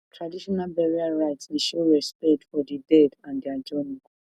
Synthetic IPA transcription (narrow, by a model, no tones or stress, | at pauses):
tʰɹadiʃɔnalbɛɹiaɹaɪtsdiʃoɹɛspɛtfɔdidɛdãndiad͡ʒɔnũku